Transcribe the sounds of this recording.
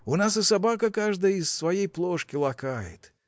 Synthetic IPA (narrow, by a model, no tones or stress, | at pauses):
ʊnas̬ɨsɐbakəkaʐd̪əjisːvɐjejplˠoʂkʲɪlˠɐkajɪ̰t̪